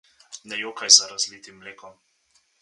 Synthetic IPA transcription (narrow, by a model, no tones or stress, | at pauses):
nɛjokajzaɾazlit̪imːleːkɔm